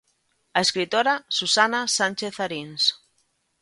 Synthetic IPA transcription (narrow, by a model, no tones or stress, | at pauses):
aeskɾit̪oɾasusanasanʲt͡ʃeθaɾins